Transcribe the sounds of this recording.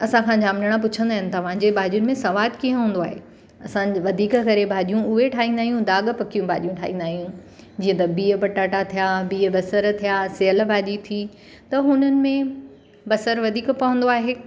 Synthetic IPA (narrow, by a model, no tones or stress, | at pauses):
ɐsãkʰãd͡ʑaːmnəɽ̃ãp̬ʊt͡ɕʰə̃nd̪aːɦɪnɪ̆t̪ɐʋ̤ãːd͡ʑebaːɗijʊnɪ̆mẽsɐʋaːd̪kiɦə̃ɦũːnd̪oaːɦḛː | ɐsãʋɐd̪ʱiːkkɐɾebʱaːɗijũʊɦeʈʰaːɦĩːnd̪aːɦijũd̪aːɠpɐkijũbʱaːɗijũʈʰaːɦĩːnd̪aːɦijũ | d͡ʑiːə̃t̪ɐbiːəpɐʈaːʈat̪ʰijabiːəbɐsəɾt̪ʰijaseɦəlbʱaːʄit̪ʰi | t̪ɐɦʊnənɪ̆mẽ | bɐsəɾʋɐd̪ʱiːkpɐʋə̃nd̪oaːɦeː